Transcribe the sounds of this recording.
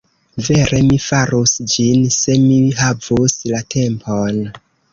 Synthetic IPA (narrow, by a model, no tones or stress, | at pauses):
ve̞ɾʔe̞mifaɾusd͡ʒinse̞miɦavuslatʰe̞mpʰon